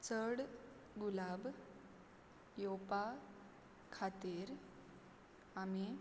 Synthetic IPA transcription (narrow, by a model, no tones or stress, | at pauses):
t͡səɽ | ɡulab | jopa | kʰat̪iɾ | ami